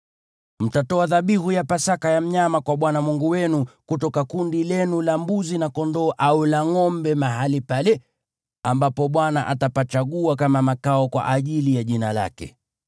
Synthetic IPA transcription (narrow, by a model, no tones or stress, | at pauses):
m̩tatɔaðaɓihujapasakajam̩ɲamakwaɓwanamuŋɡuwɛnukutɔkakundilɛnulambuzinakɔndɔːʔaulaŋɔmbɛmaɦalipalɛ | ambapɔɓwanaʔatapat͡ʃaɠuak̬amamakaɔkwa̰ʔaʄilijaʄinala̰kɛ̰